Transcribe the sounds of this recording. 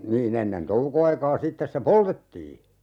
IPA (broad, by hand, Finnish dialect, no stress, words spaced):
niːn enːen toukoɑikɑː sitːes se poltetːiː